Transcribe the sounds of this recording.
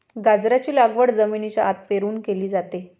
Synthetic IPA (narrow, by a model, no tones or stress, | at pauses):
ɡad͡zɾat͡ɕiːlaɡʋəɽd͡zəminit͡ɕjaat̪̚peɾuːnkeliːd͡zat̪e